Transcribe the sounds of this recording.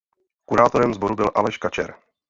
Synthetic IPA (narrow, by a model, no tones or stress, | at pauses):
kuɾaːt̪o̞ɾɛmzbo̞ɾubɪlʔa̰lɛʃkat͡ʃɛ̰ɾ